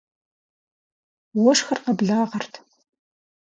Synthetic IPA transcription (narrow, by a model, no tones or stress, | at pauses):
wɔʂxɐrqɐbɮaːʁɐrtʰ